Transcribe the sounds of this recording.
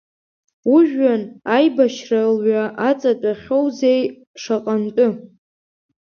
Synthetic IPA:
uʒᶣanajbaʃralɥaʔat͡sʼatʷʼaχʲowzej | ʂaqʼantʼʊ

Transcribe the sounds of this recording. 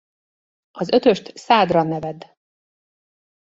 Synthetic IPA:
ɒzø̞t̪ø̞ʃt̪saːd̪rɒnːɛvɛd̪

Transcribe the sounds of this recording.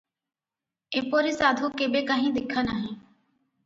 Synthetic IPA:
eːpoːɾiːsaːd̪ʱuːkeːbeːkaːɦĩːd̪ɪkʰːənaːɦĩː

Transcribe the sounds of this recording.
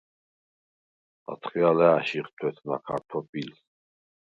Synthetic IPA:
a̰t̪ʰχialɛaʃiχt̪ʰwɛt̪ʰna̰kʰa̰ɾt̪ʰɔpʼils

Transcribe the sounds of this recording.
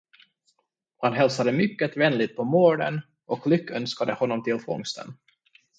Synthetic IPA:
hanɦɛlsad̪əmʏkːət̪vɛnlɪt̪̚pʰɔmoːɖə̰n | ɔklʏkːœnskad̪əhɔnːɔmt̪ʰɪlfɔ̰ŋst̪ə̰n

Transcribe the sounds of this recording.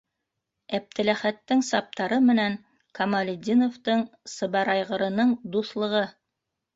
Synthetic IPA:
æp̚t̪ʰɘ̆læχæt̪ːɘŋsɑp̚t̪ɑɾɤmɘ̆næŋ | kʰɑmɑlʲɪd̪ʲinoft̪ɤɴsɤ̆βɑɾɑjʁɤ̆ɾɤ̆nɤɴd̪uθlˠɤ̆ʁɤ

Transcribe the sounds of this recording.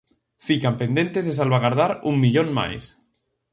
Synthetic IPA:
fikampend̪ẽ̞nt̪ezðes̬alβaɣaɾð̞aɾuŋmiʎonma̰js

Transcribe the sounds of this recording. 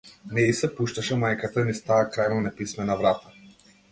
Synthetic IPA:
nɛisɛpuʃt̪aʃɛmajkat̪ainist̪aːkɾajmɔnɛpismɛnavɾat̪ḁ

